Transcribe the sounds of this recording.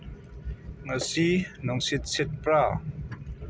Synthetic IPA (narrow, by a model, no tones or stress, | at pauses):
ŋəsinɔŋsit̪̚sɪt̪̚pɾaː